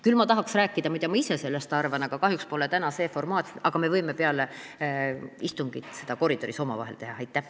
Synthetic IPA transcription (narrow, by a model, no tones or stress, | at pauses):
kylmɑt̪ɑɦɑksræːkːˑid̪̥ɑmɑjd̪ejɑmɑise̞se̞lːest̪ɑrvɑnɑɡ̥ɑkɑɦjukspo̞let̪ænɑse̞ːfo̞rmɑːt̪sɑɡ̥ɑme̞vɤjmepeɑle | ist̪uŋɡ̥it̪ˑse̞d̪ɑko̞ɾid̪o̞ɾiso̞mɑ̰vɑ̰ɦelt̪e̞ɦɑɑjt̪ˑːæh